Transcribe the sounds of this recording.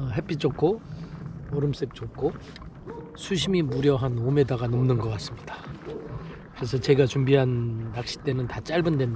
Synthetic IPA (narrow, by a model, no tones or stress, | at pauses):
ʌɦe̞p͈it͡ɕ͈okʰo | ʌɾɯms͈ek̚t͡ɕ͈okʰo | sʰuɕʰimimuɾjʌɦanome̞daɡanomnɯnɡʌk͈as͈ɯmɲida | kɯɾe̞sʰʌt͡ɕe̞ɡat͡ɕumbiɦanːak̚ɕ͈i̥t͈e̞nɯntat͡ɕ͈aɭbɯndwen